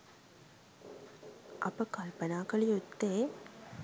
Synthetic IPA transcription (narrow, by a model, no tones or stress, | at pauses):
ʔɐpɐkɐlpɐnaːkɐɭɪjut̪ːeː